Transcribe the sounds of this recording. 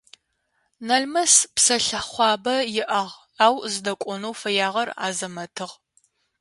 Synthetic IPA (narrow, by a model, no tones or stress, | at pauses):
nɐɮmɐspsɐɬɐχʷɑːbɐjɪʔɐʁ | aːwzɨdɐkʷʼɔnuwfɐjaːʁɐra̰ːzɐmɐtʰɨʁ